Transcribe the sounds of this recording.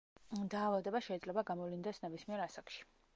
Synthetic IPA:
d̪aːvad̪ɛbaʃɛid̪zlɛbaɡamɔvlind̪ɛsnɛbismiɛɾasakʃi̥

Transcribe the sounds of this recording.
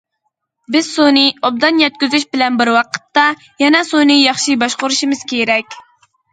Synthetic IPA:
bɪz̥soniob̚d̪ɑnjɛt̪̚kʲyzyʃbɪlɛnbɪɾwɑqʰə̥t̪ːɑ | jɛnɛsonɨjɑχʃɨbɑʃqʊɾuʃimɨz̥kʲʰeɾɛkʲ

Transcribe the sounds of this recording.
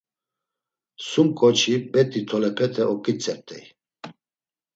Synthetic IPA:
sumkʼɔt͡ʃʰibɛt̪ʼit̪ʰɔlɛpʰɛt̪ʰʼɛʔɔkʼit͡sʼɛp̚t̪ʼɛ̰j

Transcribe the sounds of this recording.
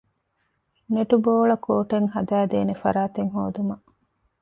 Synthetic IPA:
neʈuboːɭɐkʰoːʈeŋɦɐd̪æːd̪eːnefɐ̰ɾaːt̪eŋɦo̰ːd̪umɐ

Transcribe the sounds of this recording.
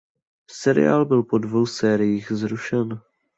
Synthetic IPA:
sɛɾɪ̰ja̰ːlbɪlpo̞dvo̞wsɛːɾɪjiːxzɾuʃɛn

